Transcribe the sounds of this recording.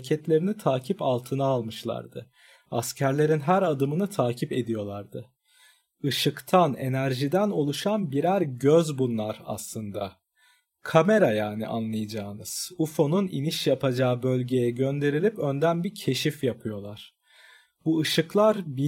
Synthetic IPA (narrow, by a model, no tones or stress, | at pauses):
cʰɛt̪lʲe̞ɾinit̪ʰaːcʰipalˠt̪ʰɯnaːlˠmɯʃlˠa̰ɾd̪ɯ | ascʰæɾlʲe̞ɾinɦæɾad̪ɯmɯnɯt̪ʰaːcʰipe̞d̪ijo̞lˠaɾd̪ɯ | ɯʃɯkt̪ʰane̞̰næɾʒid̪æno̞lˠuʃanbiɾæɾɟøzbunlˠaɾa̰slˠɯnd̪a | kʰame̞ɾajaːnḭʔa̰nlˠɯjad͡ʒaːɯnɯz̥ufo̞nuniniʃjapʰad͡ʒabø̞lʲɟe̞jɛɟø̞nd̪e̞ɾilʲipø̞nd̪ænbiɾcʰe̞ʃifjapʰɯjo̞lˠaɾ̥ | buɯʃɯklˠaɾbi